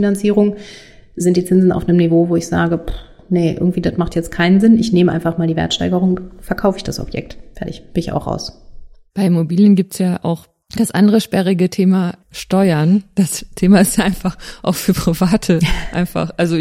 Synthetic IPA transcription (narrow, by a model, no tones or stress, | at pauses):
finant͡siːʁʊŋzɪntd̥iːt͡sɪnzn̩a̰ʊfnəmnivoːvoːɪçz̥a̰ːɡəp | nəʔɪ̰ɐɡŋ̩tv̥iːdatmaχtjɛt͡stkʰaɪnənzɪnɪçneːməʔa̰ɪnfaχmaːldiːvɛ̰ɐtʃta̰ɪɡəʁʊŋfɛɐkʰaʊfɪçd̥asɔ̰bjɛ̰k̚tfɛɐtɪçb̥ɪnɪça̰ʊxχʁa̰ʊs | b̥aɪɪmobiːljənɡiːp̚tsjaːʔa̰ʊx | d̥asʔa̰ndəʁəʃpɛʁɪɡətʰeːmaʃtɔʏɐnd̥astʰeːmaɪstjʔaɪnfaχʔa̰ʊxfyːɐpʁ̥ivaːtʰəʔa̰ɪnfa̰χʔalzo